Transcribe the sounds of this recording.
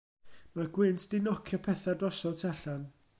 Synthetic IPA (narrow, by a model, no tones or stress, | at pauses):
maɡwɪntʰd̥ɪnɔkʰjɔpʰɛθadrɔsɔltʰɛɬan